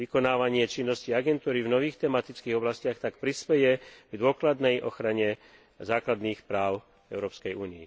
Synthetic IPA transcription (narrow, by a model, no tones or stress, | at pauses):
ikɔnaːʋaɲɪɛt͡ʃinːɔsciaɡɛnt̪uːɾivnɔʋiːxt̪ɛmat̪it͡skiːɣɔblascɪaxt̪akpɾispɛjɛɡd̪ʊɔklad̪nɛjʔɔ̰xɾaɲɛ | zaːklad̪niːxpɾaːʊ | ɛʊɾɔːpskɛjuːniji